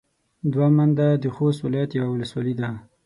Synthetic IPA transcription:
d̪wamand̪ad̪əxost̪wɪlɑjat̪jawawʊləswɑlid̪a

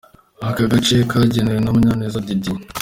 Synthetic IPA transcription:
akaɡat͡ʃekaɟeneɾenomuɲaneːzadidi

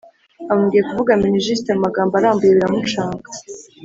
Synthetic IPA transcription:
amumɡije̞kuvuɡaminiʒis̬teamumaɡaːmbaɾaːmbuje̞βiɾamut͡ʃaːŋɡḁ

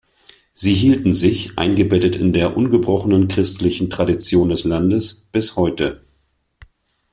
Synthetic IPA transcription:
z̥iːɦiːltn̩zɪçʔa̰ɪnɡəbɛtətɪ̰ndeːɐʔʊnɡəbʁɔχənənkʁ̥ɪstlɪçn̩tʁ̥adit͡sjoːndɛslandəsb̥ɪshɔʏtə

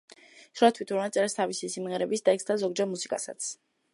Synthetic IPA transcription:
sɾuat̪ʰwit̪ʰuɾnat̪sʼɛɾɛst̪ʰavisisimʁɛɾɛbisd̪aɛksd̪azɔɡd͡ʒɛɾmusikʼasa̰t̪sʰ

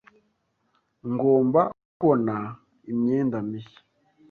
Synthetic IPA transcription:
ŋɡoːmba | kona | imɲeːndamiʃḁ

